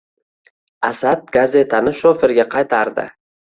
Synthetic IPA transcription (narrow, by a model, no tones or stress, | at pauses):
asad̪̚ɡaze̞t̪ʰanɪʃɒfɪɾɡʲaqʰɑjt̪ʰaɾd̪ɪ̰